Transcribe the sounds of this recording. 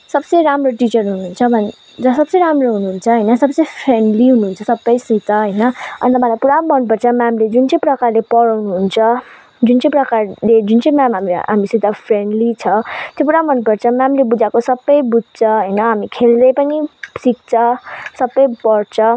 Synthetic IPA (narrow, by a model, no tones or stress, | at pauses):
sʌbsʌjɾamroʈit͡sʌrɦununt͡sʰʌbʱʌn | d͡zʌsʌbsʌjɾamroɦunuɦːnt͡sʰʌɦʌjnʌsʌbt͡sʌjpʰreɳɖliɦunuɦunt͡sʰʌsʌbːʌjsit̪aɦʌjnʌʌ̰nit̪ʌpãlajpuɾabʱʌnupʌrt͡sʰʌmamled͡zunt͡sʌ̃j̃prʌkarlepʌɽawnuɦunt͡sʰʌ | d͡zunt͡sʌ̃j̃prʌkarled͡zunt͡sʌj̃mamɦamiɦa̰misit̪apʰreɳɖlit͡sʰʌt̪jopuɾambʱʌnupʌrt͡sʰʌmamilebud͡zakosʌbːʌjbud̚ʱt͡sʰʌɦʌjnʌɦamikʰeld̪ʌjpʌnisik̚t͡sʰʌsʌbːʌjpʌrt͡sʰʌ